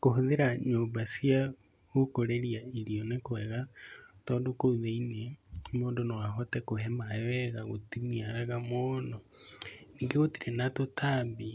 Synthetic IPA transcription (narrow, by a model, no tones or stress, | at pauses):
kohoðeɾaɲoːmbasija | ɣokoɾeɾijaiɾiɔnekoɛɣatɔːndokouðeinemoːndonowaɦɔtɛkohɛmawɛɣaɣotimiaɛɣamono | niːŋɡeɣotiɾenatotʰambi